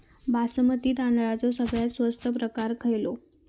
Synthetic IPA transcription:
bʱasəmət̪iːt̪and̪ɭat͡sosəɡɭjat̪sʋəst̪ʰəpɾəkaɾkʰəjlo

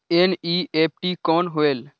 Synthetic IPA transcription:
eːniːep̚ʰʈiːkɔːnɦoeːl

